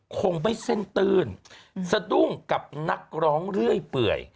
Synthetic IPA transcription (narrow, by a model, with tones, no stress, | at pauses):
kʰo˧ŋma˧˩jse˥˩nt̪ɯː˧nsa˧du˥˩ŋka˨˩p̚na˦˥k̚ɾɔː˦˥ŋɾɯ˥˩əjpɯ̰˨˩əj